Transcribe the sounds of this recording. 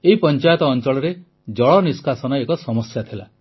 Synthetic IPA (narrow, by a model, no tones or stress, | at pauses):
eɦipɔnt͡ʃajɔt̪ɔːnt͡ʃɔɭɔɾe | d͡ʒɔɭɔniskasɔnɔekɔsɔmɔsjat̪ʰila̰